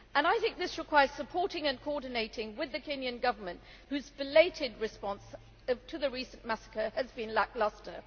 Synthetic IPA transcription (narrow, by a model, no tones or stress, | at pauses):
ə̃naɪθɪ̃ŋk̚ðɪsɹɨkʰw̥aɪə˞z̥səpʰɔɹɾɪ̃ŋɨ̃nkʰɔɹdⁿn̩eɪɾɪ̃ŋwɪðɨkʰɛ̃njɨ̃nɡʌvə˞mɨ̃nʔ̚ | hʉzbɨleɪɾɪd̚ɹɨspɑ̃ns | ʌtʰɨðɨɹisə̃n̩mæsə̥kə˞ɨzbɨ̃nlæk̚lʌstə˞